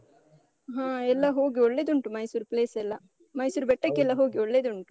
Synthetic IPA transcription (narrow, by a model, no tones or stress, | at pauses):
ɦãːɛlːɐɦoːɡiɔɭːeːd̪uɳʈumɐjsuɾupleːsɛlːɐ | mɐjsuːɾubɛʈːɐkːɛlːɐɦoːɡiɔɭːeːd̪uɳʈu̥